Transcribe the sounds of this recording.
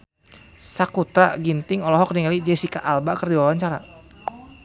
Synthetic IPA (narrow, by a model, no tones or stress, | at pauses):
sakut̪ɾa̰ɡint̪ɪŋɔlɔɦɔk̚diŋalid͡ʒɛsikaʔalbakərdiwawaɲt͡ʃaɾa